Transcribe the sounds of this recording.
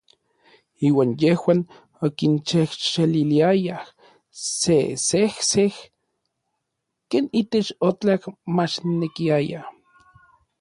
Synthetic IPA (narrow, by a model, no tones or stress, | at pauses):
iːwaːnjehwaːn | okint͡ʃehʃeliliajah | sesehseh | keːnit̪et͡ʃot͡ɬakmat͡ʃnekiaja